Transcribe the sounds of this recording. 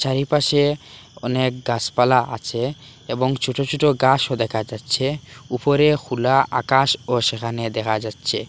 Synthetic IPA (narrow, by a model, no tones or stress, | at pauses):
ʃaɾipaʃeɔ̰nek̚ɡaspalaʔa̰t͡ɕʰe | eboŋt͡ɕʰuʈot͡ɕʰuʈoɡaʃod̪ɛkʰad͡ʑatːɕʰeupoɾekʰulaʔa̰kaʃoʃekʰaned̪ɛkʰad͡ʑatːɕʰe